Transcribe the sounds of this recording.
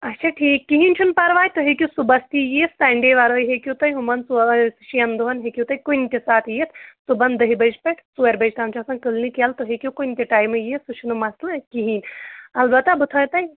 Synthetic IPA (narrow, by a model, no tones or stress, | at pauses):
ɐtːʃʰaʈʰiːkːiɦinʲt͡ʃʰunpɐɾʋaːjʲt̪oɦekʲjusubɐst̪ijesɐɳɖeʋaɾoːjɦekʲjut̪ɐjɦumɐnsusʃiɐnd̪uɦɐnɦekʲjut̪ɐjkuinʲt̪ʲisaːt̪ʰjet̪ʰsubɐnd̪ɐɦibɐd͡ʒpɐʈʰsuɐɾbɐd͡ʒt̪amt͡ʃʰɐsɐnkɨlnikelt̪oɦekʲjukunʲt̪ʲiʈaːjmɨjesut͡ʃʰunumɐslɐkiɦinʲɐlbɐt̪ːabut̪ʰajt̪ɐj